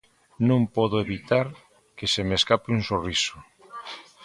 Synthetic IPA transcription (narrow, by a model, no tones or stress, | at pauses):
nõŋpɔðoeβit̪aɾ | kesemeskapeuŋsorisʊ̥